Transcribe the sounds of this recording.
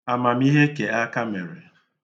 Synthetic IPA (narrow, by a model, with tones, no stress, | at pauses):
a˨ma˨m̩i˦ɦe˦ke˨a˦ka˦me˨ɾɪ˨